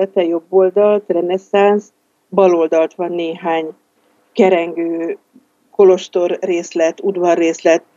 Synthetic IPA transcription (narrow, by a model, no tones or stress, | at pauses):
ɛt̪ɛjo̞bːoːld̪ɒlt̪rɛnɛsans | bɒlo̞ld̪ɒlt̪ʋɒnːeːɦaːɲ | kɛɾɛŋɡøː | ko̞lo̞ʃt̪o̞rːeːslɛt̪ud̪ʋɒrːeːslɛt̪̚